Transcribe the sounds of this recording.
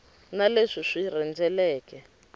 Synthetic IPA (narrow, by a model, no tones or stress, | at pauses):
naleʂiʂirɛnd͡zɛlɛːkɛ